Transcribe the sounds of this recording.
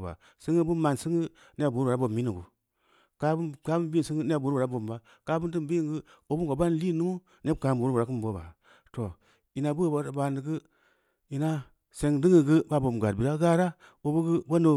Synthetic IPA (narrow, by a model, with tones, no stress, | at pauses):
ba̰˨ | sɨ˦ŋɨ˦bu˦ma˨nsɨ˦ŋɨ˦ | n˦˨bu˨ɾu˦˨a˨˦bo˨mː˨i˦ni˨ɡu˨ | ka˦bka˦u˦mbi˦˨sɨ˦ŋ˦ne˦a˨bu˨ɾu˦˨ɾa˦bo˨mba˦ | ka˦bu˦ndm˨bi˦ŋɡɨ˦ | o˨bu˦ɡo˨ba˦n˦li˦˨nu˦mu˦ | ne˦˨ka˨bu˨ɾu˦ba˨ɾa˨˦kɨ˦m˨bo˦ba̰˨ | to˨ | i˨na˨bu˦˨ba˨ba˨ndɨ˨ɡɨ˦ | i˨na˦ | se˨ŋdɨ˦ŋi˨ɡɨ˦ba˦˨bo˨ɡa˨bi˨ɾa˦ɡa˦ɾa˦ | o˨bu˦ɡɨ˦bo˦no˨